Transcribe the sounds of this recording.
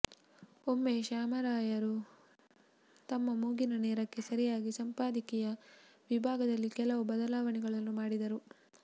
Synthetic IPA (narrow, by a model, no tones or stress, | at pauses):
o̞mːeʃaːmɐɾaːjɐɾu | t̪ɐmːɐmuːɡinɐnɛːɾɐkːe̞sɐɾijaːɡisɐmpaːd̪ikɛjɐʋibʱaːɡɐd̪ɐlːikɛlɐʋubɐd̪ɐlaːʋɐɳɛɡɐɭɐnːumaːɽid̪ɐɾu